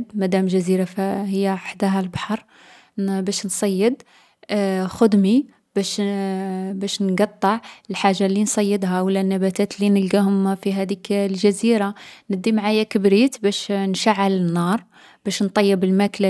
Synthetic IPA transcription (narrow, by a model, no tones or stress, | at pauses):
d̪mæd̪æmlʒæziɾafhəjːæʕəħd̪æɦælbɑħɑɾˤ | bæʃnsˤɑjːəd̪ | xʊd̪mi | bæʃ | bæʃnɡɑt̪ˤːɑʕlħaʒːalːinsˤɑjːəd̪ɦawəlːænːæbæt̪æt̪linəlɡæhʊmfiɦæd̪iklʒæziɾanəd̪ːimʕajækəbɾit̪bæʃnʃaʕːalənːɑɾˤ | b̥æʃnt̪ˤɑjːəbəlmæklæ